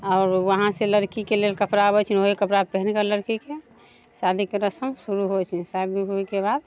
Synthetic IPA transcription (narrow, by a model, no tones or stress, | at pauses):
ɔʊɾwəɦãseləɾkikelelkəpɾaəbɛt͡ʃʰnoɦikəpɾapɛɦnkələɾkike | sad̪ʱikeɾəsəmsuɾuɦot͡ʃʰsabiɦuikebad̪